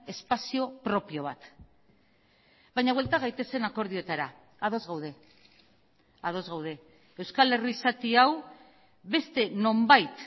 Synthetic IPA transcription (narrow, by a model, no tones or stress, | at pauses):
e̞spasio̞pɾo̞pio̞β̞at̪ | βajɲaβwelt̪aɣajt̪e̞se̞nako̞ɾðio̞t̪aɾa | aðo̞zɣawð̞e̞ | aðo̞zɣawð̞e̞ | ewskale̞riːsat̪iaw | βe̞st̪e̞no̞mbajt̪